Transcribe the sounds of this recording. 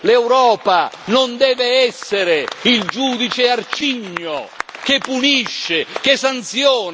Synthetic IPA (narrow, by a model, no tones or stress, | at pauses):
lɛwɾɔːpanond̪ɛːveɛsːeɾeild͡ʒuːd̪it͡ʃeart͡ʃiɲːokepːuniʃːek̟esːant̪sjɔːn